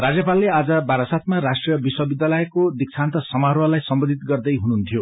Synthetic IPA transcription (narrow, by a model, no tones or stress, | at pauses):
rad͡zjʌpalːead͡zʌbaɾʌsat̪maɾasʈrijʌbiswʌbid̪jalʌekod̪ik̚t͡sʰant̪ʌsʌmaɾwʌlajsʌmbʌd̪ʱit̪ɡʌrd̪ʌjɦununt̪ʰijo